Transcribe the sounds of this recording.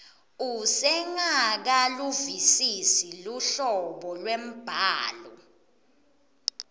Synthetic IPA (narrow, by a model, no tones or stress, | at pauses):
usɛŋak̬aluvisisiluɬɔɓɔlwem̩b̥ʱaːlɔ